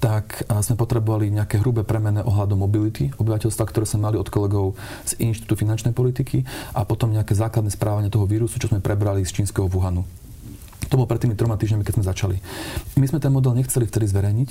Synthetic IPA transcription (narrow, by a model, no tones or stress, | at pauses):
t̪akzmɛpɔt̪ɾɛbɔʋaliɲɛakɛɦɾubɛpɾɛmɛnɛʔɔɦlad̪ɔmːɔbilit̪iɔbiʋacɛlst̪ʋakt̪ɔɾɛːz̥mɛmaliɔt̪kɔlɛɡɔʊ | z̥inʃt̪i̥u̥t̪ufinant͡ʃnɛjpɔlit̪ikʰiʔapɔt̪ɔmɲɛakɛːzaːklad̪nɛspɾʔaːʋaɲɪɛt̪ɔɦɔʋiːɾusut͡ʃɔzmɛpɾʔɛbɾalist͡ʃiːnskɛɦɔvuɦanu | t̪ɔbɔlɔpɾɛt̪ːimit̪ɾɔmat̪iːʒɲamikɛzmɛzat͡ʃalimizmɛt̪ɛnmɔd̪ɛlɲɛxt͡sɛlift̪ɛd̪izʋɛɾɛjɲic